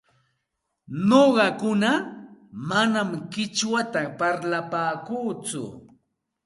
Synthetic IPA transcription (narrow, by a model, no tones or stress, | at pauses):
noɢɑkʊna | manamkɪt͡ʃwat̪apaɾlapaːkuːt͡sʊ̰